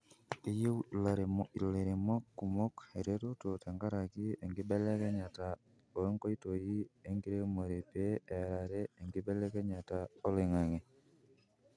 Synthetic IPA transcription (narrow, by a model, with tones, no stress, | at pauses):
i˦je˦ula˨ɾemi˨le˨ɾe˨mo˦kːu˨mo˦ke˨ɾetoto˨te˨ŋɡa˦ɾa˨ki˦eŋɡibe˦le˦ke˦ɲa˨ta | ole˦ŋko˦itoji˦e˦ŋɡi˦ɾe˦mo˨ɾepeeɾaɾeːŋɡi˦be˦le˦ke˦ɲa˨tao˦le˨ŋa˨ŋe˨